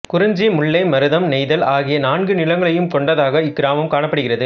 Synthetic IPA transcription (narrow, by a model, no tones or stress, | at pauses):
kʊɾɐɲd͡ʒimʊɭːɐɪmɐɾɯðɐmnɛɪðɐlʔaːɣɪjɐnaːnɡɯnɪlɐŋɡɐɭɐjɯmkɔɳɖɐðaːɣɐɪɡɾaːmɐmkaːɳɐpːɐɽɯɣɪrɐðɯ